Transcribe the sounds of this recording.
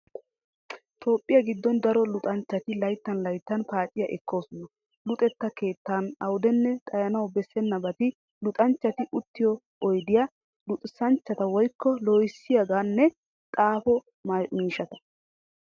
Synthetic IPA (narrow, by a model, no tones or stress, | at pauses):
t̪ʰo̞ːpʼːɪjɐɡɪd̪ːɔnd̪ɐɾɔlʊt̪ʼɐnt͡ʃːɐt̪ɪlɐjt̪ːɐnlɐjt̪ːɐnpaːt͡ʃʼːɪjɐʔɛkːo̞ːsɔnɐ | lʊt̪ʼɛt̪ːɐke̞ːt̪ːaːnɐwʊd̪ɛnːɛt̪ʼɐjɐnɐwbɛsːɛnːɐbɐt̪ɪ | lʊt̪ʼɐnt͡ʃːɐt̪ɪʔʊt̪ːɪjɔ | ɔjd̪ɪja | lʊt̪ʼsɐnt͡ʃːɐt̪ɐwɔjkʰːɔloːjɪsːɪjɐɡaːnːɛ | t̪ʼaːfɔ | mmiːʃɐt̪ɐ̥